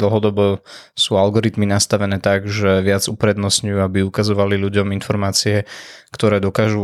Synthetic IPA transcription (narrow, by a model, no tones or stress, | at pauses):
d̪l̩ˠɦɔd̪ɔbɔsuːalɡɔɾit̪minast̪aʋɛnɛːt̪aɡʒɛʋɪad͡zupɾɛd̪nɔsɲujuːabiukazɔʋalilʎuɟɔminfɔɾmaːt͡siɛkt̪ɔɾɛːd̪ɔkaːʒu